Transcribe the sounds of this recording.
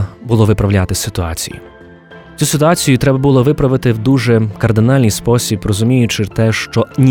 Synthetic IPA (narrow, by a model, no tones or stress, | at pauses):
bʊlˠɔʋɪpɾɐwlʲat̪ɪsɪt̪ʊɑ̰t͡sʲijḭ | t͡sʲusɪt̪ʊɑt͡sʲijʊt̪ɾɛbɐbulˠɔʋɪpɾɐʋɪt̪ɪwd̪uʒɛkɐrd̪ɪnɑlʲnɪjspɔsʲibrɔzʊmʲijʊt͡ʃɪt̪ɛʃt͡ʃɔnʲ